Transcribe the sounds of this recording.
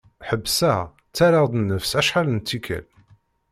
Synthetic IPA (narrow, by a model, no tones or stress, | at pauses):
ħəbːsæ | t͡sːæɾɑʁd̪nːəfsæʃħalnt͡s̪ːikʰæ̰l